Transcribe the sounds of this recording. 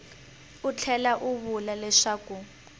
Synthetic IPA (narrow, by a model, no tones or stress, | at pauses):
ut͡ɬʰɛlaʔuβulalɛʂaːku